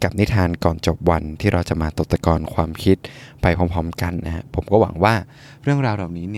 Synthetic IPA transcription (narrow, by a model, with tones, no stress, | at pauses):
ka˨˩p̚ni˦˥t̪ʰaː˧nkɔː˨˩nt͡ɕo˨˩p̚wa˧nt̪ʰiː˥˩ɾa˧wt͡ɕa˨˩maː˧t̪o˨˩t̪ːa˧kɔː˧nkʰwaː˧mkʰi˦˥t̪̚pa˧jpʰɔː˦˥mpʰɔː˦˥mka˧nːa˦˥ha˦˥pʰo˩˦mkɔː˥˩wa̰˩˦ŋwaː˥˩ | ɾɯ˥˩əŋɾaː˧wlaː˨˩wniː˦˥ni˦˥˩